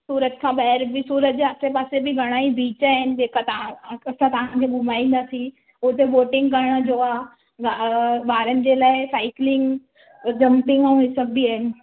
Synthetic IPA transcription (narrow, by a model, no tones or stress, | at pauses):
suːɾət̪kʰãbɛɦɛɾbʱisuːɾət̪̚d͡ʒaːpsepaːsebʱiɡʱɐɽ̃aːibiːt͡ʃaɪnd͡ʒeːkʰat̪ɐãɐsãt̪ɐɦãkʰebʱumaːĩn̆d̪asi | ʊt̪eboːʈɪŋɡkɐɾɽad͡ʒoːa | ɡabaːɾənd͡ʒelaesaːɪklɪŋɡ | d͡ʒɐ̃mpɪŋɡãɦɪsəb̚bʱiəɦɪn